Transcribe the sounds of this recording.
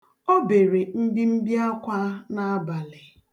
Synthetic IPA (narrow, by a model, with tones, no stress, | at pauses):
o˦be˨ɾe˨m̩˦di˦m̩˦bja˦kʷa˦na˦a˦ba˨lɪ˨